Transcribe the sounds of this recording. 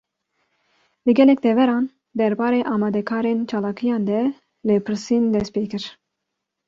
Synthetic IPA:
lɨɡɛlɛk̚d̪ɛvɛɾɑːn | d̪ɛɾbɑːɾeːʔɑːmɑːd̪ɛkʰɑːɾent͡ʃʰɑːlɑːkʰɨjɑːnd̪ɛ | lɨpʰɨɾsiːnd̪ɛst̪̚peːkɨɾ

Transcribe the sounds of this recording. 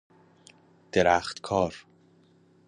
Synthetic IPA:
d̪̥eɾæːxt̪kʰɒːɾ

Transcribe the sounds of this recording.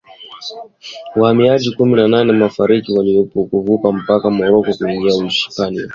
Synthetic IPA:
wahamiaʄikuminananɛmafaɾikiwaliɔpɔkuvupam̩pakamɔɾɔkɔkuiŋɡiaiʃi̥pania

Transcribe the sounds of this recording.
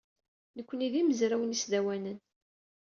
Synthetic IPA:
nəkʷːəniðiməzɾæwnisðæwænən

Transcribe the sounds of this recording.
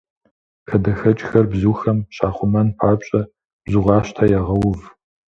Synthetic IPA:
kʰɐdɐxɐt͡ʃʼxɐrbzuːxɐmɕaːχʷʊmɐnpʰaːpɕʼɐ | b̥zuʁɑːɕtʰajaʁɐwʊv

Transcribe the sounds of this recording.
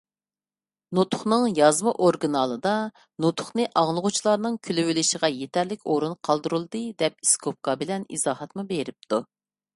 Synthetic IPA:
nut̪ʰʊχnɨŋjɑzmɨʔoɾɡɨnɑlˠɨd̪ɑ | nut̪ʰʊ̥χnɨʔɑʁlˠəʁʊt͡ʃʰlˠɑɾnɨŋkʲʰylywɪlɪʃəʁɑjet̪ʰɛɾlɪkʲoɾunqʰɑlˠd̪uɾulˠd̪ɨd̪ɛp̚iskʰop̚kɑbɪlɛnḭzɑːhɑt̪mubeɾɪp̚t̪ʰu

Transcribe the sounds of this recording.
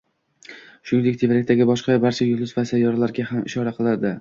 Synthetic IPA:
ʃʊnɪŋd̪ek̚ʲt̪ʰevɾak̚ʲt̪aɡʲɪbɒʃqɑbaɾt͡ʃʰajʊlˠɪzvasajɒɾlaɾɡʲaɦamɪ̰ʃɒɾaqʰɨlˠad̪ɪ

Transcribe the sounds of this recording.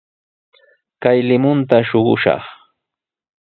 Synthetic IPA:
kajlɪmʊnt̪aʃoɢʊ̰ʃɑ̰χ

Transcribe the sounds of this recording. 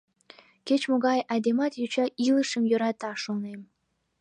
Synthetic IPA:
ket͡ɕmoɣɑjɑd̪emɑt̪jut͡ɕɑʔiləʃəmjøɾɑt̪ɑʃonem

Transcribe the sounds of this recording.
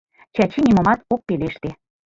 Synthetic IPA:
t͡ɕæt͡ɕinimŏmɑt̪ok̚peleʃt̪e

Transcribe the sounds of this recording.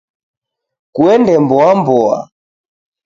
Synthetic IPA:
kuɛndɛmbɔambɔa̰

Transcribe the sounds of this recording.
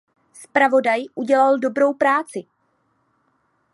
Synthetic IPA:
spɾavo̞dajʔuɟɛlaldo̞bɾo̞wpɾaːt͡sɪ

